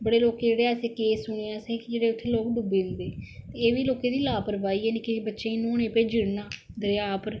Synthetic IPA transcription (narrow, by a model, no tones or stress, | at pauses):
bəɽeːloːkeːd͡ʒeːɽeːəseːkeːsʊɳ̃eːɛ̃ːsẽːkd͡ʒeːɽeːʊt̪ʰːeːloːkɖʊbeːnd̪eːt̪eːeːʋiːloːkeːd̪iːlaːpəɾbaːiːɛːneːkɪbətːʃeːĩːnõːñẽːpeːd͡ʒɪɽnaːd̪əɾaːpəɾ